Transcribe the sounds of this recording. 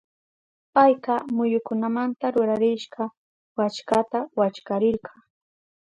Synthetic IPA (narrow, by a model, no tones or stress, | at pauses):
pajqɑmʊjʊkʊnamant̪aɾʊɾaɾɪʃɢɑ | wat͡ʃkat̪awat͡ʃkaɾɪɾɢɑ